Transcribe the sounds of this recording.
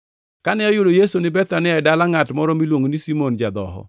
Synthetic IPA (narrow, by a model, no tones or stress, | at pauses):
kanɛɔjʊdojesonɪbɛt̪anɪɛdalaŋatmɔɾɔmilwoŋonisimond͡ʒad̪ɔɦɔ̰